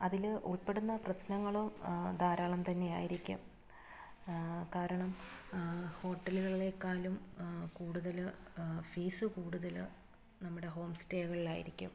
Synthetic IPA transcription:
ɐðilʔuɭpe̞ɽunːɐprɐɕnɐŋːɐɭomd̪ʱaːɾaːɭɐmt̪ɐnːe̞ja̰ːjiɾikʲːṵm | kaːɾɐɳɐm | ho̞ːʈːɐluɣɐɭiɭe̞kːaːlumkuːɽuðɐlfiːsɨkuːɽuðɐl | nɐmːuɽe̞ɦo̞ːmsteːɣɐɭilaːjḭɾikʲːṵm

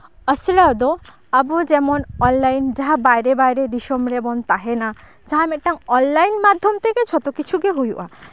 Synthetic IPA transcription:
əsɾad̪ɔ | abud͡ʒɛmɔnɔnlajnd͡ʒaɦabajɾebajɾed̪iʃɔmɾebɔnt̪aɦena | d͡ʒaɦameʈaŋɔnlajnmad̪ʱːjɔmt̪ʰeket͡ʃʰɔt̪okit͡ʃʰukeɦujuʔa

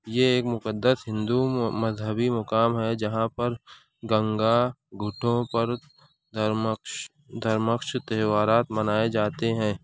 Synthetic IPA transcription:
jeeːkmʊkəd̪ːəsɦɪ̃nd̪umɐzɦəbimʊkaːmɦɛd͡ʒɐɦãpɐɾ | ɡɐ̃ŋɡaɡʱʊʈʰõpɐɾ | d̪ʱɐɾməkʃt̪ɛːʋaːɾaːt̪mɐnaːed͡ʒaːt̪eɦɛ̃ː

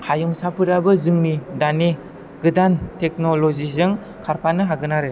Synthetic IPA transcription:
hʰajuŋsapɯɾabɯzɯŋnidane | ɡɯdantek̚nolozizɯŋ | kʰaɾpʰanɯɦaɡɯnaɾɯ

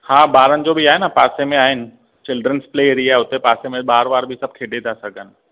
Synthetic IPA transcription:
haːbaːɾənɪ̆d͡ʑoːbʱiaːɦɪnapaːsemẽaːɦɪnɪ̆ | t͡ɕɪlɖɾənspleːɾiaːʊt̪epaːsemẽɓaːɾʋaːɾbʱɪsɐb̚ʱkʰeːɖʱet̪ʰasɐɡʱənɪ̆

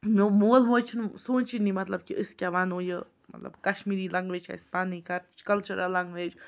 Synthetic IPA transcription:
momuəlmot͡ʃʰnsunt͡ʃinimat̪lab̚kiʔəskʲjaβanojə | ma̰t̪la̰bkaʃmiɾilaŋɡʋet͡ʃha̰ispanikaɾt͡ʃkəlt͡ʃuɾʔalaŋɡʋet͡ʃ

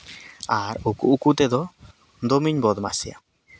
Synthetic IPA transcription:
aɾukuːkut̪ɛd̪ɔ | d̪ɔmiɲbɔd̪ma̰sia̰

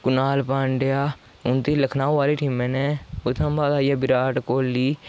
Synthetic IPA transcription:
kʊnaːlpãːɳɖejaː | ʊnt̪iːləkʰnaːũʋaːliːʈiːmẽːneːʊt̪ʰːãmbaːd̪aːijaːbɪɾaːʈkoːlːiː

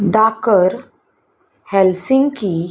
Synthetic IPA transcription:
d̪akəɾ | hɛlsĩŋɡki

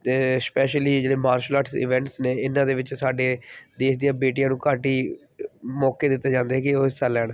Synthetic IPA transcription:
t̪eːspɛːʃəliːd͡ʒeːɽeːmaːɾʃlaːʈsɪ̰ʋɛ̃ːɳʈsneːɪnːãːd̪eːʋɪt͡ʃsaːɖeːd̪eːkd̪ijãːbeːʈijãːnũːkaːʈiː | mɔːkeːd̪ɪt̪ːeːd͡ʒãːnd̪eːɦɛːkɪoːsalːɛːɽ̃

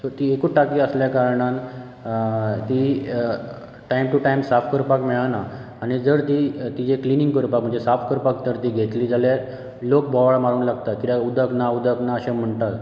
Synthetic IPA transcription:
səɾt̪iːekuʈakiːəsljakaɾɳ̃an | t̪i | ʈajmʈuʈajmsafkəɾpakmɛɭanaː | ɽ̃id͡zəɾt̪iːt̪id͡zekliniŋɡkəɾpak̚m̤əɳd͡zesafkəɾpakt̪əɾt̪iːɡʱet̪liːd͡zalja | lok̚bʱɔʋaɭmaɽuːnlaɡt̪at̪̚kit̪aud̪ʱəknaud̪ʱəknaəɕam̤əɳt̪at̪

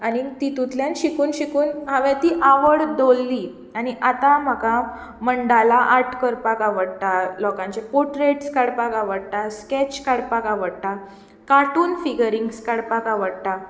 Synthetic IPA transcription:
añit̪it̪ut̪ljãnɕikuːnɕikuːnɦaʋjãt̪iʔaʋəɽd̪olːiː | aɽiʔat̪aməɡa | məɳɖalaʔaʈʰkəɾpakaʋəɽt̪alɔkãɲt͡ɕepoʈɾeʈskaɽpakaʋəɽt̪askɛt͡ɕkaɽpakaʋəɽt̪a | kaʈuːnfiɡəɾiŋɡskaɽpakaʋəɽt̪a

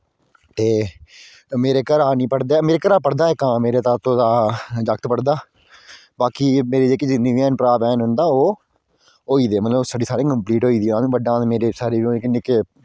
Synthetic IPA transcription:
t̪eː | meːɾeːkəɾaːnĩːpəɽd̪eːmeːɾeːkəɾaːpəɽd̪aːɛkãːmeːɾeːt̪aːt̪õːd̪aːd͡ʒəkt̪pəɽd̪aː | baːkiːmeːɾeːd͡ʒeːked͡ʒɪnːĩːʋiːɛːnpəɾaːbɛːnɦʊ̃nd̪aːoː | ɦoːiːd̪eːmət̪ləbsəɖiːsaːɾeːkəmpliːʈɦoːiːd̪iːãːñːʋəɖãːmeːɾeːsaːɾeːʋiõekɪneke

